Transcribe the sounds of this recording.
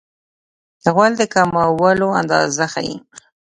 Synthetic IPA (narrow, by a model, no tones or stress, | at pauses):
ɣwald̪əkamawəloa̰nd̪ɑ̰zaxa̰jḭ